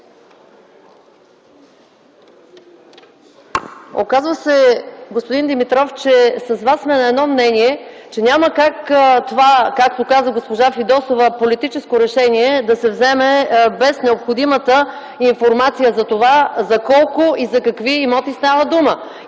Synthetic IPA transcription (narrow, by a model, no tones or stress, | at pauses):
o̰kazvəsɛɡospod̪ind̪imit̪ɾɔft͡ʃɛsɐzvasːmɛnɐɛd̪nɔmnɛniɛt͡ʃɛnʲaməkakt̪ovakak̚t̪okazəɡospoʒafid̪ɔsovəpolit̪it͡ʃɛskoɾɛʃɛniɛd̪ɐsɛvzɛmɛbɛsnɛopxod̪imət̪ə | iɱfoɾmat̪sijəzɐt̪ovazɐkɔlˠkoizɐkɐkviːmɔt̪isnavəd̪umə